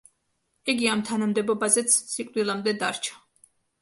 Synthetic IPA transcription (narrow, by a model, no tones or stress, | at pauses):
iɡiamt̪ʰanamd̪ɛbɔbazɛt̪sʰsikʼd̪ilˠamd̪ɛd̪aɾt͡ʃʰḁ